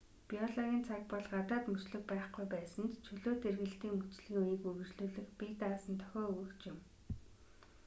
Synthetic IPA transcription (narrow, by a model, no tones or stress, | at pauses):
piɔɮɔɣʲiːnt͡sʰak̚pɔɮɢat̪aːt̪mɵt͡ɕɮɵ̆k̚pæːχɡujpæːsə̆nt̪t͡ɕʰɵɮoːt̪erɣɘ̆ɮt̪iːŋɵt͡ɕɮiːŋujĭːkuɣɵ̆t͡ɕɮuːɮɘ̆xpit̪aːsə̆nt̪ʰœ̥xʲɔːujkt͡ɕɪm